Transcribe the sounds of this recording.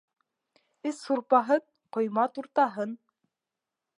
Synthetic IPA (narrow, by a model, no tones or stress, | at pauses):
ɘsːuɾpɑɦɤð | qŏjmɑt̪uɾt̪ɑɦɤn